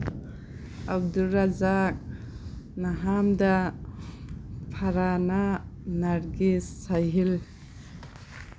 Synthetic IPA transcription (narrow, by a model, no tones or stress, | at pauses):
ab̚dulɾazak̚ | naɦamda | pʰaɾananaɾɡisːajɦil